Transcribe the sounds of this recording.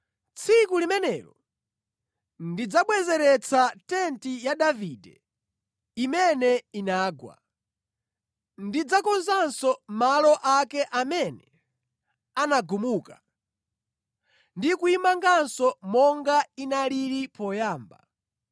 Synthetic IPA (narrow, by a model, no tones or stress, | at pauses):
t͡sʰikulimɛnɛːɾɔ | ndid͡zaɓwɛzɛɾɛt͡sʰatɛntijadavidɛ̰ | imɛnɛinaːɡwa̰ | ndid͡zakɔnzansɔmalɔʔakɛʔamɛnɛ | anaɡumuːka | ndikuimaŋɡansɔmɔŋɡainaliɾipɔjaːmba̰